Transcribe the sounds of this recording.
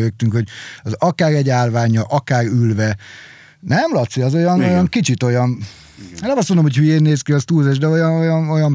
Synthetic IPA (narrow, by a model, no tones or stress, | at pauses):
øːk̚t̪yŋkho̞ɟɒzɒkaːrɛɟaːrvaːɲɒʔɒkaːɡylvɛ | nɛmlɒt̪siɒzo̞jɒnojɒŋkit͡ʃit̪o̞jɒn | enɛmɒst̪mond̪omhochyeːnːeːskiɒst̪uːzɛʒd̪ɛojɒnojɒno̞jɒm